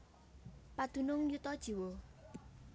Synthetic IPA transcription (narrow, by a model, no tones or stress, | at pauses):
pad̪̥ṳnʊŋjut̪ɔd̥ʒ̥i̤wo